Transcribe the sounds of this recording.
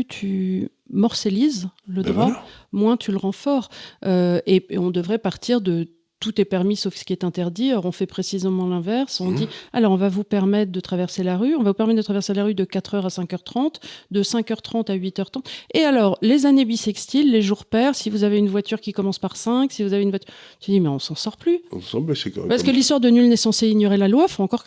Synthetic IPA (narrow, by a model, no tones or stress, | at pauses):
t̪ʰy | mɔʁselizləd̪ʁwamwɛ̃t̪ʰyləʁɑ̃fɔʁøeeɔ̃d̪əvʁɛpaʁt̪ʰiʁd̪ə | t̪ut̪ɛpɛʁmisofsə̥kʲiɛt̪ɛ̃t̪ɛʁd̪iɔʁɔ̃fɛpχesizemɑ̃lɛ̃vɛʁsɔ̃d̪ialɔʁɔ̃vavupɛʁmɛt̪χd̪ət̪χavɛʁselaʁyɔ̃vavupɛʁmɛt̪̚d̪ət̪ʰχavɛʁselaʁyd̪əkat̪χœʁasɛ̃kœʁt̪χɑ̃t̪d̪əsɛ̃kœʁt̪χɑ̃t̪aɥit̪œʁt̪χɑ̃t̪ealɔʁlezanebisɛkst̪ilːeʒuʁpɛʁsivuzaveynvwat̪yʁkʲikɔmɑ̃spaʁsɛ̃ksivuzaveynvwat̪yʁəd̪imɛɔ̃sɑ̃sɔʁplysɑ̃ɛsɛkɔ̰ʁpaʁskəlist̪waʁd̪ənylnɛsɑ̃seiɲjɔʁelalwafoɑ̃kɔʁ